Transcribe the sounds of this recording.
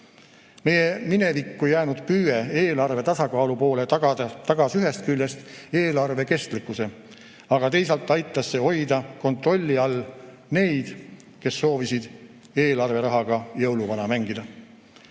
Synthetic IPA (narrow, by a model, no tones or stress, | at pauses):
me̞jemine̞vikːujæːnud̪̥pyːeeːlɑrve̞t̪ɑsɑkɑːlupo̞ːle̞t̪ɑɡ̥ɑsyɦe̞st̪̚kylʲːest̪e̞ːlɑrve̞ke̞st̪likːˑuse̞ | ɑɡ̥ɑt̪e̞js̬ɑlt̪ːˑɑjt̪ːˑɑsːe̞o̞jd̪ɑko̞nt̪ro̞lʲːiɑlː | ne̞jd̪̥ | ke̞sːo̞ːvisid̪̥ | e̞ːlɑrve̞ɾɑɦɑɡ̥ɑjɤwluvɑnɑmæŋɡid̪ɑ